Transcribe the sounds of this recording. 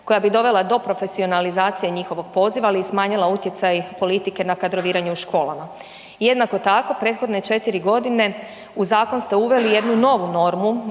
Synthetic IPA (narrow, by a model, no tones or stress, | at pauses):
ko̞jabid̪o̞ʋe̞lˠad̪o̞pɾo̞fe̞sio̞nalizaːt̪sije̞ɲixo̞ʋo̞ɡ̥̚po̞ːziʋaːliːsmaːɲilˠaut̪je̞t̪sajpo̞lit̪ike̞nakad̪ɾo̞ʋiːɾaɲeuʃko̞ːlˠa̰ma | je̞d̪nako̞t̪ako̞pɾet̪xo̞d̪ne̞t͡ʃe̞t̪iɾiɡo̞d̪ine̞ | uzaːko̞nst̪e̞uʋe̞lije̞d̪nuno̞ʋuno̞ɾmu